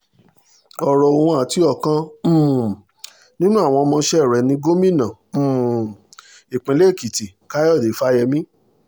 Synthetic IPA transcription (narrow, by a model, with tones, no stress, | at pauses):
ɔ˨ɾɔ˧˨o˧wɔ̃˧a˨ti˨˦ɔ˦˨kã˦˨ | nĩ˦nũ˦a˦˨w̃ɔ̃˧mɔ̃˧˦ʃɛ˦˨ɾɛ˨nĩ˧ɡo˦mĩ˦˨nã˨ | i˨k͡pĩ˨˦le˦˨ki˨ti˨ | ka˨˦jɔ˦˨de˨˦fa˦jɛ˧mĩ˦